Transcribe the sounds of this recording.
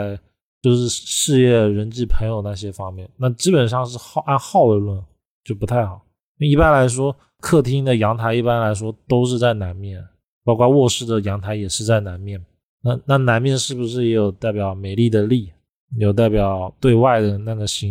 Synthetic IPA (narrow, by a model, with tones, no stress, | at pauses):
ɪ | t͡ɕjo˥˧ʊʂɻ̩˥˧ʂɻ̩˥˧jɛ˥˩ɻə˧˥nt͡ɕi˥˩pʰə˧˥ŋjo˨˩ʊdə˩na˥˩ɕ̬jɛ˥fɑ˥ŋmjɛ˥˩nna˥˩t͡ɕi˥pə˨˩nʂɑ˥˧ŋʂɻ̩˥˧xɑ˥˧ʔa˥˧nxɑ˥˩ʊə˧lwə˥˩n | t͡ɕjo˥˩ʊpu˧˥t̪ʰa˥˩ɪxɑ˨˩˦ | i˥˩pa˥nla˧˥ɪʂ̬wɔ˥ | kʰɤ˥˩t̪ʰi˥ŋd̪ə˨jɑ˧˥ŋt̪ʰa˧˥ɪi˥˩pa˥nla˧˥ɪʂwɔ˥t̪o˥ʊʂ̬ɻ̩˥˧t͡sa˥˩ɪna˧˥nmjɛ˥˩n | pɑ˥ʊkwɑ˥˧wɔ˥˧ʂɻ̩˥˩d̪ə˩jɑ˧˥ŋt̪ʰa˧˥ɪjɛ˨˩ʂɻ̩˥˧t͡sa˥˩ɪna˧˥nmjɛ˥˩n | na˥˧na˥˩na˧˥nmjɛ˥˧nʂɻ̩˥˩bu˨˩ʂ̬ɻ̩˥˩jɛ˧˥jo˨˩ʊt̪a˥˩ɪpjɑ˨˩ʊme˨˩ɪli˥˩d̪ə˩li˥˩ | jɛ˧˥˩jo˨˩ʊt̪a˥˩ɪpjɑ˨˩˦ʊt̪we˥˧ɪwa˥˩ɪd̪ə˩na˥˩ɡə˩ɕi˥